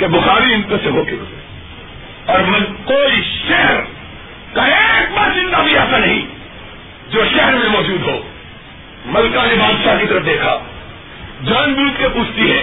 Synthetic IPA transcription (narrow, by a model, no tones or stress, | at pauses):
kebʊxaːɾiɪnt̪eseɦoːkeo̰se | ɔːɾmɐkoːiʃɛɦəɾ | kaek̚baɾzɪ̃nd̪abʱiaːsanɐɦĩ | d͡ʒoːʃɛɦɛɾmẽmɔːd͡ʒuːd̪ɦoː | mɐlkanebaːd̪ʃakit̪ɐɾəfd̪eːkʰaː | d͡ʒaːnbuːt̪kepuːt͡ʃʰt̪iɦɛː